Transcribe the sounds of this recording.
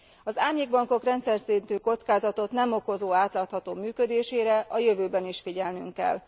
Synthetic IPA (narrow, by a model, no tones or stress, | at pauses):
ɒzaːrɲeːɡ̚bɒŋko̞krɛnt̪sɛrsint̪yːko̞t̪skaːzɒt̪o̞t̪nɛmo̞ko̞zoːaːt̪laːt̪hɒt̪oːmyːkød̪eːʃeːɾɛʔɒjø̞vøːbɛniʃfiɟɛlnyŋkːɛ̰lː